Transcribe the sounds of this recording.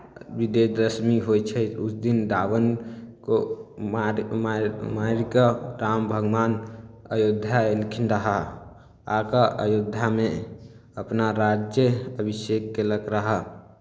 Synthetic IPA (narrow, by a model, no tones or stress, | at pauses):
bid̪ed̪əsmiɦojt͡ʃʰɛut͡ʃʰd̪inɖ̪abənko | mmaɾikəɾambʱəɡmanəjod̪ʱːaelkʰinɾəɦə | akəʔəjod̪ʱːame | əpnaɾad͡ʒjəəbisekːeləkɾəɦə